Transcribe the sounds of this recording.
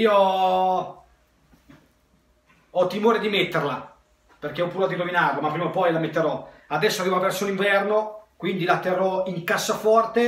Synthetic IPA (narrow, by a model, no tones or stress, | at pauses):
iːo | ɔt̪ːimoːɾed̪imet̪ːerla | perkeɔpːuɾoat̪iɾominaːɾomapːɾiːmopɔjlamet̪ːeɾɔad̪ɛsːoavivoavɛrsoniɱvɛrnokwind̪ilat̪erːɔiŋkasːafɔrt̪e